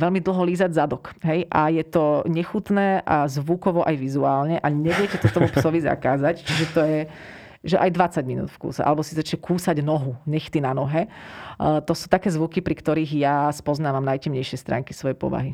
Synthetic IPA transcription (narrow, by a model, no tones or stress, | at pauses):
ʋɛlmid̪l̩ɦɔliːzaɟzad̪ɔkɦɛjʔajɛt̪ɔɲɛxut̪nɛːʔazʋukɔʋɔʔajʋizuaːlɲɛʔaɲɛʋɪɛcɛt̪ɔt̪ɔmupsɔʋiza̰kaːzact͡ʃiʒɛt̪ɔjɛ | ʒɛʔajd̪ʋat͡saɟminṵːt̪fkṵːsɛ̰ʔa̰lɛbɔsizat͡ʃɲɛkuːsaɟnɔɦuɲɛxt̪inanɔɦɛ | t̪ɔsuːt̪akɛːzʋukipɾikt̪ɔɾiːɣjaspɔznaːʋamnajcɛmɲɛjʃɪɛst̪ɾʔa̰ːŋkisʋɔjɛpɔ̰ʋa̰ɦi